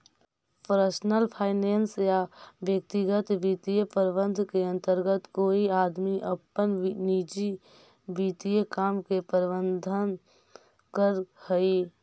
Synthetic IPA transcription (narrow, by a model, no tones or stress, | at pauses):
pɾəsnəlpʰaːɪnensjaʋjək̚t̪iɡət̪ʋiːt̪ijəpəɾbə̃nd̪ʱkeə̃nt̪əɾɡət̪koːiaːd̪miʔəpːənniːd͡ʒi | ʋit̪ijəkaːmkepəɾbə̃nd̪ʱən | kəɾhəi